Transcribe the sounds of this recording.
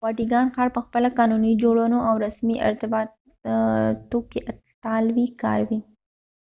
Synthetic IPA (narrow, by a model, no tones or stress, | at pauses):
wɑʈiɡɑnxɑɽpəxpəlakɑnunid͡ʒoɽənoawɾasmiʔɪ̰ɾt̪ɪbɑt̪ | t̪okeʔa | t̪ɑlwikɑ̰ɾwi